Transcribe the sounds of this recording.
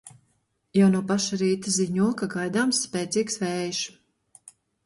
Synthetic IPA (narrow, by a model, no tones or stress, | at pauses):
jawnuɔpaʃaɾiːt̪aziɲuɔkaɡajd̪aːmsːpʲɛːt̪siːksvɛjʃ